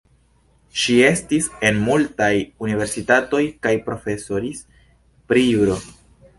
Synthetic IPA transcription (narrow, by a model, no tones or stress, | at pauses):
ʃie̞stise̞nmultajunive̞ɾsitato̞jkajpɾo̞fe̞soɾis | pɾiuɾo